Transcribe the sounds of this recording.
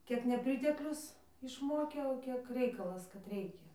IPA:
ˈkʲiɛk nʲɛˈpʲrʲɪtʲɛklʲʊs ɪʃˈmoːkʲeː oː ˈkʲiɛk ˈrʲɛɪkɐlˠɐs kɐt ˈrʲɛɪkʲɛ

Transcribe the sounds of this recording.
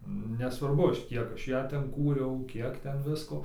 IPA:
nʲɛsʋɐrˈbʊ ˈɐʃ ˈkʲiɛk ˈɐʃ ˈjæː ˈtʲɛn ˈkuːrʲɛʊ ˈkʲiɛk ˈtʲɛn ˈʋʲɪskoː

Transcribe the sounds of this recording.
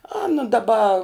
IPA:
ˈɑːnɐ dɐˈbɐ

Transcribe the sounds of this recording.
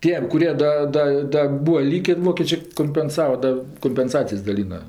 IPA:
ˈtʲiɛm kʊˈrʲiɛ ˈdɐ ˈdɐ ˈdɐ ˈbuːɐ ˈlʲiːkʲeː ˈʋoːkʲeːt͡ʃʲeː koːmʲpʲɛnˈsɑːʋɐ ˈdɐ koːmʲpʲɛnˈsɑːt͡sʲɪjɛs dɐˈlʲiːnɐ

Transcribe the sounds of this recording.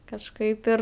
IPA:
kɐʃˈkɐɪp ɪr

